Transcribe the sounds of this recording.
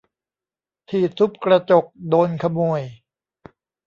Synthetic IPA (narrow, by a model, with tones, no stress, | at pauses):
t̪ʰiː˨˩sʰu˦˥p̚kɾa˧t͡ɕo˨˩k̚doː˧nkʰa˧mo˨˩əj